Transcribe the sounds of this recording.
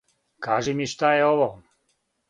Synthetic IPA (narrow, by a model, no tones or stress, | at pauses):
kaːʒimiʃt̪ajɛoʋo